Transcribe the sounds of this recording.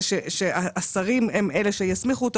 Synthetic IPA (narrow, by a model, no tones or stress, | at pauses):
ʃeʃeaasaʁimemele̞ʃejasmiχuot̪